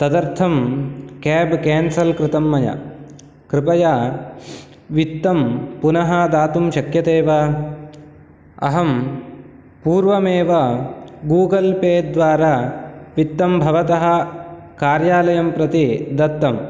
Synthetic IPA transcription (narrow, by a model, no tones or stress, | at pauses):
t̪ɐd̪ɐɾt̪ʰɐmkeːbkeːnsɐlkɾɪt̪ɐmːɐjɐ̰ | kɾɪpɐja | ʋit̪ːɐmpunɐɦɐd̪aːt̪umʃɐkjɐt̪eːʋɐ | ɐ̰ɦɐm | puːɾʋɐmeːʋɐɡuːɡɐlpeːd̪ʋaːɾaːʋit̪ːɐmbʱɐʋɐt̪ɐɦɐ̆ | kaːɾjaːlɐjɐmpɾɐt̪id̪ɐt̪ːɐm